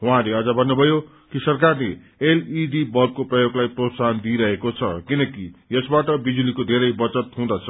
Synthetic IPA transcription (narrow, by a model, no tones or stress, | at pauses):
ɦũãleʌd͡zʌbʱʌnːubʱʌjo | kisʌrk̬arle | eliɖibʌrb̚koprʌjoɡlajprosand̪iɾʌɦekot͡sʰʌ̰kinʌkijʌsbaʈʌbid͡zulikod̪ʱeɾʌjbʌt͡sʌt̪ɦũd̪ʌt͡sʰʌ̥